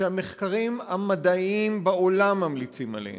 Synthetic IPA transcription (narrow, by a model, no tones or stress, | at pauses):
eameχkaʁimamad̪aimbao̞lamːamlit͡sima̰lḛh